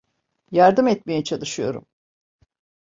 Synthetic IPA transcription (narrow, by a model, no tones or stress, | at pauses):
jaɾd̪ɯmɛt̪mejɛt͡ʃʰalˠɯʃɯjo̞̰ɾṵm